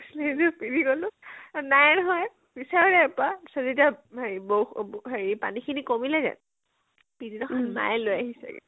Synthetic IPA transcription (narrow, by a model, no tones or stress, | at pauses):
slezupidiɡolʊ̃najnɔɦɔj | bisaɹɔlɛpasazetiaiboxɦaɹipa̰nikʰinikomilaɡɛ̰n | pididɔxʰanma̰jlojaɦisɛ̰ɡɛ̰